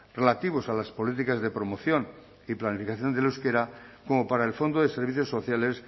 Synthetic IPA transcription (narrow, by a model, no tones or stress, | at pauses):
re̞lat̪iβ̞osalaspo̞lit̪̬ikazðe̞pɾo̞mo̞θjo̞n | iplanifikaθjo̞nd̪eluskeɾako̞mo̞paɾaelfo̞nd̪oðe̞se̞ɾβ̞iθjosːo̞θjale̞s